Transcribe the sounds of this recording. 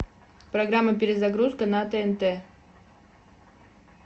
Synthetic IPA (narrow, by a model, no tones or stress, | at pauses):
pɾɐɡɾamːəpʲɪɾʲɪzaɡɾuskənat̪ɛɛnt̪ɛ